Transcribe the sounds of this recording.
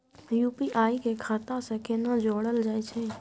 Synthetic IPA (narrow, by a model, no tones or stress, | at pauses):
juːpiʔaːikekʰaːt̪asẽkenad͡ʒoːɽəld͡ʒaːɛt͡ʃʰɛ